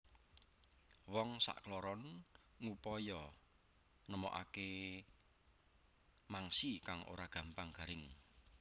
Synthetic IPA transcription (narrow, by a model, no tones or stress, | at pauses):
wɔŋsa̰ʔklɔɾɔn | ŋupɔjɔ | nəmɔ̰ʔa̰ke | maŋsikaŋʔo̰ɾaɡ̥ä̤mpaŋɡ̥a̤ɾɪŋ